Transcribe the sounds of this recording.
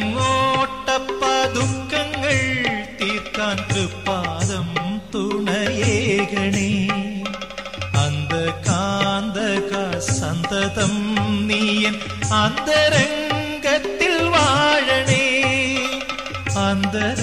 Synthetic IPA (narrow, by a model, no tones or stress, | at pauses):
ŋːoʈːɐpːɐd̪ukːɐŋɡɐɭt̪iːɾt̪ːaːntɾɨpːaːðɐmt̪uɳɐjeːkɐɳe | ɐnd̪ɐkaːnd̪ɐkasɐnt̪ɐt̪ɐmniːjɐm | ɐnd̪ɐɾɐŋɡɐt̪ːilʋaːɻɐɳe | ɐnd̪ɐ